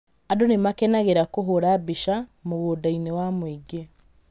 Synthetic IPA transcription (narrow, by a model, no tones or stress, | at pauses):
adonemakɛnaɣeɾakoɦoɾabiʃamoɣodainewamwiɡe